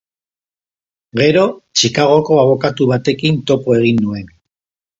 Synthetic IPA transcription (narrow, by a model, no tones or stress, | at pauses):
ɡe̞ɾo̞t͡ʃikaɣo̞ko̞aβo̞kat̪uβ̞at̪e̞kint̪o̞poe̞ɣ̞inːue̞n